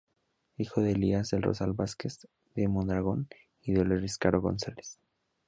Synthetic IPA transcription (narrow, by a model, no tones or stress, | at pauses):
ixo̞ðeliazðelro̞̰salβaske̞s | d̪emond̪ɾaɣ̞o̞n | iðeoleriskaɾoɣo̞̰nsales